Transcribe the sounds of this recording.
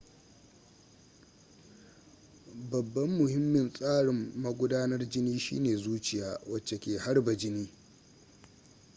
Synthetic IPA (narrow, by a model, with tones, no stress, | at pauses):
bɐ˨bːɐ˦mːʊ˨hɪ˦mːɪ˨nsʼaː˦ɽɪ˨mːɐ˦ɡʷʊ˦daː˦nɐ˦rd͡ʒɪ˦niː˦ʃḭː˦neː˨zuː˦t͡ʃɪ˨jaː˨wɐ˨t͡ʃːe˨kʲeː˨ha˦rbɐ˨d͡ʒɪ˦niː˦